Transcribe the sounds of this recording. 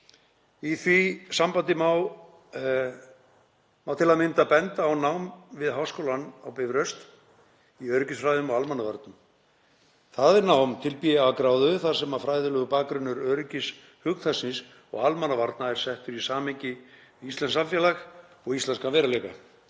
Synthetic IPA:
iθvisampant̪ɪmaw | mawt̪ʰɪlaðmɪnt̪apɛnt̪aːwnawmvɪðɦawskowlanawpɛvɾœst̪ | iœːɾʏcɪsfɾajðʏmɔɣalmanːavaɾt̪̚nʏm | θaðɪɾnaːwmt̪ʰɪlpijakɾaːwðʏʏθḁsɛmaðfɾajðʏlɛɣʏpaːkɾʏnːʏɾœːɾʏcɪs | hʏk̪θasɪns | ɔ̰ɣalmanːavaɾt̪naɛɾ̥sɛht̪ʏɾisaːmɛcɪist̪lɛnsamfjɛːlaxɔɣist̪lɛnskavɛːɾalɛka̰

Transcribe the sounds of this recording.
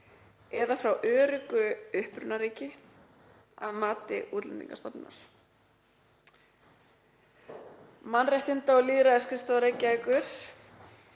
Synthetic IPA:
ɛðafɾawʔœːɾʏkʏʏhpɾʏnːaɾiːcɪ | a̰ðmaːt̪ɪ̰ʔuːt̪lɛ̰nt̪ḭŋkast̪apna̰ɾ̥ | manrɛjht̪ʏnt̪aɔɣliːðɾaɛskɪst̪aðɾeːjcaɛkʏɾ̥

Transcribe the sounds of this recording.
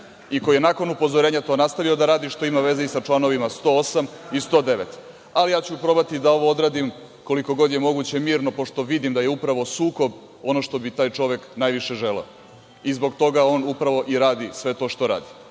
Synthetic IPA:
ikojenaːko̞nupo̞zoɾe̞ːɲat̪o̞ːnast̪aʋio̞d̪aɾaːd̪iʃt̪o̞imaʋe̞zeisat͡ʃlˠano̞ʋimast̪o̞osamist̪o̞d̪e̞ʋet̪ | alijaːt͡ɕupɾo̞bat̪id̪ao̞ʋo̞o̞d̪ɾaːd̪im | ko̞liko̞ɡo̞d̪je̞mo̞ɡut͡ɕemiːɾno̞po̞ʃt̪o̞ʋid̪imd̪ajeupɾaʋo̞suːko̞b | o̞no̞ʃt̪o̞bit̪aːjt͡ʃo̞ʋeknaːjʋiʃe̞ʒeleo | izbo̞ɡt̪o̞ɡao̞ːnupɾaʋo̞ʔiɾaːd̪isʋe̞t̪o̞ːʃt̪o̞ɾa̰ːd̪i

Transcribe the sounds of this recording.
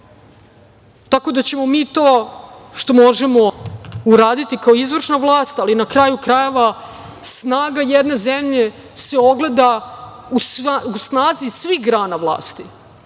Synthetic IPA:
t̪ako̞d̪at͡ɕe̞mo̞miːt̪o̞ːʃt̪o̞mo̞ʒemo̞uɾaːd̪it̪ikao̞izvr̩ʃnaʋlˠaːst̪alinakɾaːjukɾaje̞ʋa | snaːɡajed̪ne̞zemʎe̞ | se̞o̞ɡle̞d̪a | ususnaːzisʋixɡɾaːnavlˠa̰ːst̪i

